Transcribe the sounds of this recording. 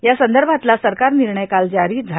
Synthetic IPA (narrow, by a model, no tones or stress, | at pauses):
jasənd̪əɾbʱat̪lasəɾkaɾniɾɳəjkald͡ʑaɾiːd͡zʱa